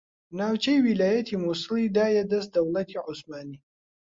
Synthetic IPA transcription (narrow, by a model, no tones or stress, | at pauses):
naːwt͡ʃʰɐjwilaːjɐt̪ʰimusɨlid̪aːjɛd̪ɐst̪̚d̪ɐwlɐt̪ʰiʕʊsmaːniː